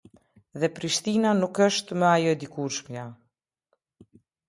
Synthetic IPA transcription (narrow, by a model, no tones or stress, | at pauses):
ðɛpɾiʃt̪inanukəʃt̪mɛajɔɛd̪ikuɾʃmja